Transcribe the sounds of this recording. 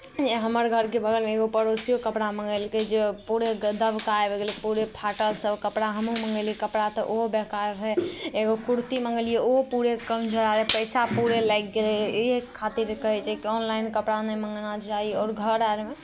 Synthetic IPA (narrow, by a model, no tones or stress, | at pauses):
d͡ʒeɦəməɾɡʱəɾkebʱəɡəlmeːɡopəɾosijokəpɽamə̃ŋɡəlked͡ʒepuɾed̪əbkaebeɡelipuɾepʰaʈəlsəbkəpɽaɦəmuməŋɡəlekəpɽat̪ɔʔobekaɾɦɛeɡokuɾt̪iməŋɡəlijeopuɾekəmd͡ʒʱəɾaɾepəɪsapuɾelajk̚ɡelekʰat̪iɾkəɦɛt͡ʃʰɛkiɔnlainkəpɽanəməŋɡnad͡ʒaiɔːɾɡʱəɾaɾeme